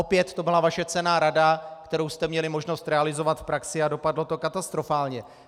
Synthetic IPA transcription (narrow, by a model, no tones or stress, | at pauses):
o̞pjɛt̪ːobɪlavaʃɛt͡sɛnaːɾadakt̪ɛɾowst̪ɛmɲɛlɪmo̞ʒno̞st̪ɾɛalɪzo̞vat̪fpɾaksɪado̞padlo̞t̪o̞kat̪ast̪ɾo̞faːlɲɛ